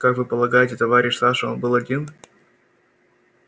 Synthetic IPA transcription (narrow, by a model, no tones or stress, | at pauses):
kakvɨpəlˠɐɡajɪtʲɪt̪ɐvaɾʲɪʃʲsaʂəonbɨlˠɐdʲin